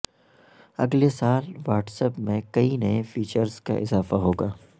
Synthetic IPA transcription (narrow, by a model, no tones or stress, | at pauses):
ɐ̰ɡlesaːlʋaːʈsəpmẽkɐinɐefiːt͡ʃəɾzka̰ʔɪzaːfaɦoːɡaː